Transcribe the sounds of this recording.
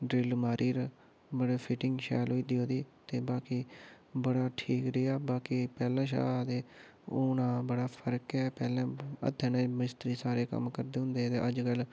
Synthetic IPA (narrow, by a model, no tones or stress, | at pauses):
ɖɾeːlmaːɾʔiːɾ | bəɽeːpʰɪʈɪŋɡʃɛːlɦoːiːd̪iːɦoːd̪iːt̪eːbaːkiː | bəɽaːʈʰiːkɾiːaːbaːkiːpɛːlãːʃ̬a̰ːd̪eː | oːnãːbəɽaːpʰəɾkɛːpɛːlãːə̰t̪ʰːẽːnẽːmɪst̪əɾiːsaːɾeːkə̰mkəɾd̪eːɦʊ̃nd̪eːt̪eːʔəd͡ʒkəl